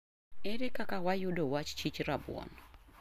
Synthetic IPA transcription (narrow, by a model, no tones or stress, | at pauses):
eɾekakawajudowat͡ʃt͡ʃit͡ʃɾabw̰ɔ̰n